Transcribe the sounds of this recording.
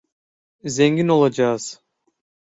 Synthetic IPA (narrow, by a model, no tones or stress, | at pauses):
zeŋɡino̞lˠad͡ʒaːz̥